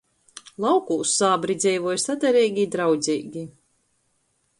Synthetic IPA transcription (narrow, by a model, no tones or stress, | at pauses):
lˠawkusːaːbɾid̪zʲɛjvɔjsad̪ɛɾɛːjɡʲid̪ɾawd̪zʲiːɡʲi